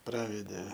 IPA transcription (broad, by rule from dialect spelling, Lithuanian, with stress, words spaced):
ˈprɑːʋʲɛdʲeː